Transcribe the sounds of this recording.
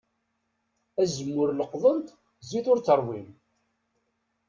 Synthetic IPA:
æzəmːʊɾləqðˤənt̪ | ziθʊɾt͡sːəɾˤwim

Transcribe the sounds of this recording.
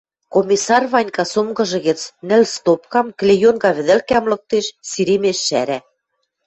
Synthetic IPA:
komʲisɑrβɑnʲkɑsomɡɤ̆ʒɤ̆ɣɘ̆t͡snɘ̆lst̪op̚kɑmklʲejonɡɑβɘ̆ðɘ̆lkæmlɤ̆k̚t̪eʃsiɾemeʃːæɾæ

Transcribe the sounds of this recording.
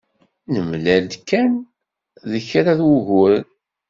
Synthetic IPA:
nəmlæld̪kːæn | ðəçɾaðwəʝʊɾən

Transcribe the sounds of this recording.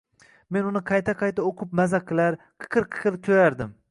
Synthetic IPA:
me̞nʊnɪqʰɑjt̪ʰaqʰɑjt̪aoqʰʊp̚mazakʲʰːlaɾ | qʰɨ̥qʰɨɾqʰɨ̥qʰɨlkʲʰojaɾd̪ɪm

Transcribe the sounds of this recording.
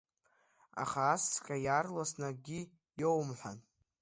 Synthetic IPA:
a̰χaːskʲʼajarlasnaɡʲi | jowmħʷan

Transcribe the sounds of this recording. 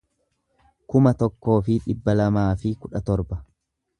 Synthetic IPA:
kʊmɐt̪ɔkːo̞ːfɪᶑɪbːɐlɐmaːfɪkʊᶑɐt̪ɔɾbɐ

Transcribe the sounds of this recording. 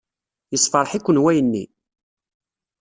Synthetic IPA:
jəsˤfɑɾˤħikʷːənwæjənːḭ

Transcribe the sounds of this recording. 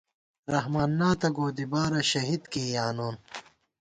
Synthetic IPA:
ɾɐɦmaːnːaːt̪ɐɡoːd̪ibaːɾɐɕɐɦid̪keːjaːnoːn

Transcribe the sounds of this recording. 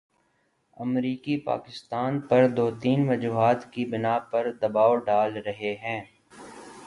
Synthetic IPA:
ɐmɾiːkipa̰ːkɪst̪aːnpɐɾd̪oːt̪iːnʋɐd͡ʒuːɦaːt̪kibɪnaːpɐɾd̪ɐbaːoɖaːlɾɐɦeɦɛ̃ː

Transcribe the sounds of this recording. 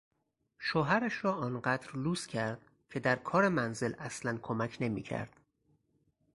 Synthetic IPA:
ʃoɦæɾæʃɾɒːʔɒːnɢæd̪ɾluːscʰæɾd̪̥ | cʰe̞d̪æɾkʰɒːɾe̞mænze̞lʔæslænkʰomæcʰne̞miːcʰæ̰ɾd̪̥

